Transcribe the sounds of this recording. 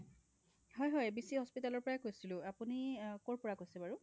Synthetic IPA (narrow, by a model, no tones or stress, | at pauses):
ɦɔjɦɔjbisihɔspitalɔɹpɔɹajkojsilʊ̃apunikoɹpɔɹakojsɛbaɹʊ